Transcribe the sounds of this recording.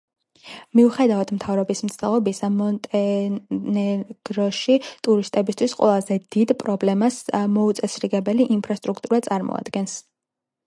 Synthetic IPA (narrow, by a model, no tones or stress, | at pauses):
miuχɛd̪avat̪ʰmt̪ʰavɾɔbismt̪sʰt̪ʰʼɛlˠɔbisamɔnt̪ʼɛnɛɡ̥ɾɔʃit̪ʼuɾist̪ʼɛbist̪ʰwisqʼwɛ̰lˠazɛd̪̥id̪pʼɾɔblɛmasmɔut̪sʼɛsɾiɡɛbɛliʔimpʰɾast̪ʼɾukʰt̪ʼuɾat̪sʼaɾmɔ̰a̰d̪̥ɡɛns